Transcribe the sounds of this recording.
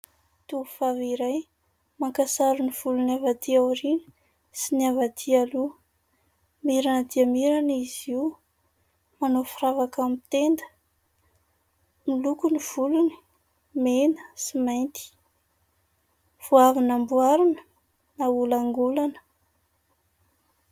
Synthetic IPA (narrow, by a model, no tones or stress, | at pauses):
t̪uufaviɾaj | maŋkasaɾuniv̥ulunavat̪iawɾinə̥ | siniavad̪ʰialu | miɾanəd̪iamiɾaniziw | manofiɾavakamit̪end̪ə̥ | milukuniv̥uluni̥ | menə̥simajnt̪i̥ | v̥oavinambuaɾunə̥ | naulaŋɡulanə̥